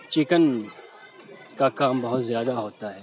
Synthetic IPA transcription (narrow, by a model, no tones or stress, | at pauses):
t͡ʃɪkən | kakaːmbɐɦʊt̪zjaːd̪aɦoːt̪aɦɛː